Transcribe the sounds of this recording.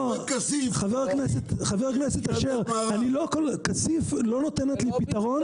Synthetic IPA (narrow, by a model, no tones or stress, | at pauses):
χaveʁakneset̪χaveʁakneset̪aʃeʁanilo̞kolkasiflo̞not̪enet̪lipit̪aʁo̞n